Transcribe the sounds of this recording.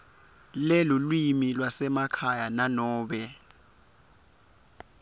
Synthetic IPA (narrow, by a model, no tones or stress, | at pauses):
lɛlulwimilwasɛmakʰajananɔːɓɛ